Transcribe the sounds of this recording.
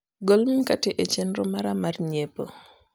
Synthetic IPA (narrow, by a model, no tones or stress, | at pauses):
ɡolmikateʔet͡ʃenɾɔmaɾamarɲepo̰